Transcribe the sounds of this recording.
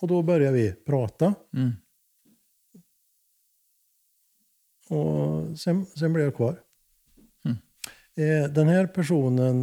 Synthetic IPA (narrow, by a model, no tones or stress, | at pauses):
ɔd̪ɔbœɾjɑɾʋɪpʰɾɑːt̪ɑ | ɔsɛnsɛmblɛɾjækʰʋɑːɾ | d̪ɛnhæːɾpʰæʂuːnən